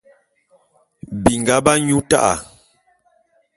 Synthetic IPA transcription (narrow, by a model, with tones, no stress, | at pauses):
bi˨ŋɡa˦ba˦ɲu˦ta̰˦ʔa̰˨